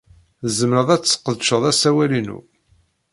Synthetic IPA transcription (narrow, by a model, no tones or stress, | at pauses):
zəmɾəðˤæt͡sːqːəðʃəðˤæsæwælinṵ